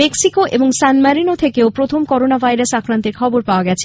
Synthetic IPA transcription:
eksikoʔḛboŋsanmaɾinot̪ʰekeopɾot̪ʰomkɔɾonabʱajɾasakɾant̪eɾkʰɔboɾpaoaɡɛt͡ɕʰe̥

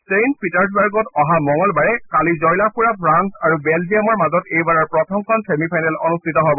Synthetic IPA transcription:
sejnpitaɹs̬baɹɡɔtɔɦamɔŋɔlbaɹɛkalizɔjlapʰuɹapʰɹansaɹubɛld͡ʒijamɔɹmazɔtejbaɹaɹpɹɔtʰɔmkʰɔnsemipʰajnalɔnustʰitɔɦobɔ

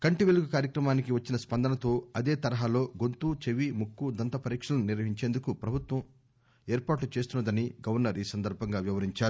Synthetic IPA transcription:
kɐɳʈiʋeluɡukaːɾjɐkɾɐmaːnikiʋɐt͡ʃːinɐspɐnd̪ɐnɐt̪o̞ːɐd̪e̞ːt̪ɐɾɐɦaːlo̞ːɡont̪uːt͡ʃeʋimukːud̪ɐnt̪ɐpɐɾiːkʂɐlɐnuniɾʋɐɦiɲt͡ʃe̞ːnd̪ukupɾɐbʱut̪wʋɐm | eːɾpaːʈlut͡ʃe̞ːst̪unːɐd̪ɐniɡɐʋɐɾnɐɾiːsɐnd̪ɐɾbʱɐŋɡaːʋiʋɐɾiɲt͡ʃaːɾu

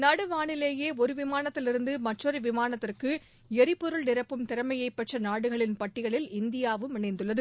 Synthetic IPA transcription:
nɐɽɯʋaːɳɪleːjeːɔɾɯʋɪmaːnɐt̪ːɪlɪɾɯnd̪ɯmɐʈrɔɾɯʋɪmaːnɐt̪ːɪrkɯ | ɛɾɪpːɔɾɯɭnɪɾɐpːɯmt̪ɪɾɐmɐjɐɪpːɛʈrɐnaːɽɯɣɐɭɪnpɐʈːɪɣɐɭɪlɪnd̪ɪjaːʋɯmɪnɐɪnd̪ɯɭːɐðɯ

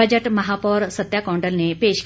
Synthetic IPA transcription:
əd͡ʒəʈmɐɦapɔːɾsət̪jakɔ̃ːɳɖəlnepeːʃk

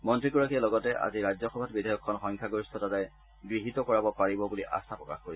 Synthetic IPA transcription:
mɔntɹiɡɔɹakijalɔɡɔtɛʔa̰ziɹazɔxɔbʱatbidʱajɔkʰːɔnxɔŋkʰaɡoɹistʰɔtataj | ɡɹiɦitɔkɔɹabɔpaɹibɔbuliʔa̰sapɹɔka̰xkoɹisɛ

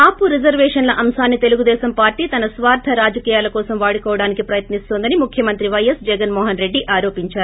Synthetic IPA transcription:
aːpuɾid͡ʒɐɾʋɛːʂɐnlɐʔɐmsaːnːit̪eluɡud̪ɛːsɐmpaːɾʈiːt̪ɐnɐsʋaːɾd̪ʰʱɐɾaːd͡ʒɐkiːjaːlɐkɔːsɐmʋaːɽikɔːʋɐɽaːnikipɾɐjɐt̪nist̪oːnd̪ɐnimukʰjɐmɐnt̪ɾiʋɐjɐsd͡ʒɛɡɐnmɔːɦɐnɾe̞ɖːiʔaːɾoːpiɲt͡ʃaːɾuu

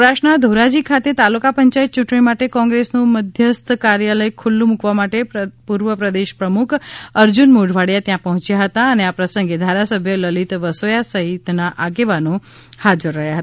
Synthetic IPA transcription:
ɾaʃnad̪ʱoɾad͡ʒikʰat̪et̪alukapəɲt͡ʃajt̪̚t͡ʃuʈɳ̃imaʈekɔ̃ŋɡɾesnũməd̪ʱjəst̪ʰkaɾjaləjkʰulːũmukʋamaʈepuɾʋəpɾəd̪eʃpɾəmukʰəɾd͡ʒunmoɖʱʋaɽjat̪jãpəɦɔ̃t͡ʃjaɦət̪aəneapɾəsə̃ŋɡed̪ʱaɾasəbʱjələlit̪ʋəsojasəɦit̪naʔaɡeʋanõ | had͡ʒəɾːəɦjaɦət̪a

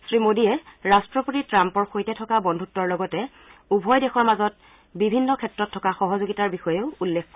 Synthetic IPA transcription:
sɹimodiɛɹastɹɔpotitɹampɔɹxojtɛtʰɔkabɔndʱutːɔɹlɔɡɔtɛ | ubʱɔjdɛxɔɹmazɔt̚ | bibʱinːɔkʰɛtɹɔtʰːɔkaxɔɦɔzoɡitaɹbixɔjeʊulːekʰkɔ

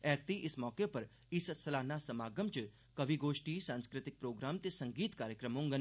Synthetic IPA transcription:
ɛːk̚t̪iʔɪsmɔːkepɐɾ | ɪssɐlaːnaːsɐmaːɡəmt͡ʃ | kɐʋiɡoːʃʈiːsãːnskɾɪt̪ɪk̚pɾoːɡɾaːmt̪esɐ̃ŋɡiːt̪kaːɾjəkɾəmõŋɡən

